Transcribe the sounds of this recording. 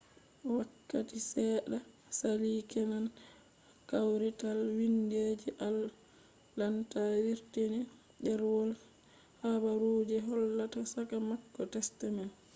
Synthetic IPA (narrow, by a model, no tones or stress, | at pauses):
ɔwakːatisɛːɗa | saliːkɛnan | kawɾitalwinded͡ʒiʔalː | antawiɾtini | ɗɛɾwɔl | habaɾoːd͡ʒɛɦɔlːatasakamakːɔtɛstɛmal